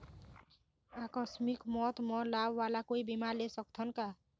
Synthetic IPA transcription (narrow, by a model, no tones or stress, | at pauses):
akʌsmikmɔt̪mɔlabːalakoibimaɾlesʌk̚t̪ʰʌnka